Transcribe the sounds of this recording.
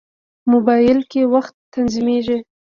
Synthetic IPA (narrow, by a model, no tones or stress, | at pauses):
mʊbɑjɪlkewaxt̪ː | anzimeʒi